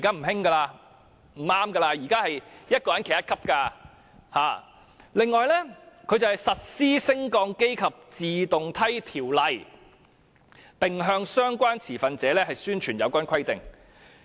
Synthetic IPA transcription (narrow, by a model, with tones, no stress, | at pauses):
i˨kaː˥m̩˨˩hɪ˥ŋɡaː˧laː˧ | m̩˨˩aː˧˥mɡɐ˧laː˧jiː˨˩kaː˥hɐ˨jjɐ˥t̚kɔː˧jɐ˨˦nkʰjɐ˥tkʰɐ˥p̚kaː˧ | haː˨˩ | lɪ˨ŋːɔː˨˧jlɛː˥kʰɵ˨˧ɥt͡sɐ˨hɐ˨jsɐ˨t̚siː˥sɪ˥ŋkɔː˧ŋke˥jkʰɐ˨p̚t͡siː˨t̪ʊ˨ŋt̪ʰɐ˥jt̪ʰiː˨˩wlɐ˨j | pɪ˨ŋɦœː˧ŋsœː˥ŋkʷaː˥nt͡sʰiː˨˩fɐ˨nt͡sɛː˨˧˥lɛː˥ɦɐ˨jsyː˥nt͡ʃʰyː˨˩njɐ˨˧wkʷaː˥nkʰɐ˥jt̪ɪ̰˨ŋ